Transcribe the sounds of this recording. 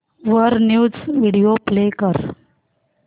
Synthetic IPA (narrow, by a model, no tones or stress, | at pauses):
ʋəɾnjud͡zʋiɽijoplekəɾ